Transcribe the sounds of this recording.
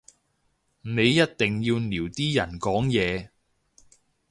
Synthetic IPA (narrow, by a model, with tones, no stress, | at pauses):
ne˨˧jːɐ˥t̚t̪ɪ˨ŋjiː˧wniː˨˩wt̪iː˥jɐ˨˩nkɔː˨˥ŋjɛː˨˧